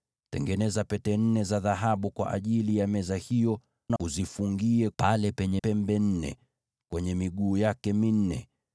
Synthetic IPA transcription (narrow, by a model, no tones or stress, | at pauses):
tɛ̰ŋɡɛnɛzapɛtɛn̩nɛzaðaɦaɓukwa̰ʔa̰ʄilijamɛzahijɔ | nauzifuŋɡiɛpalɛpɛɲɛpɛmbɛn̩nɛ̰ | kwɛɲɛmiɠuːjakɛmin̩nɛ̰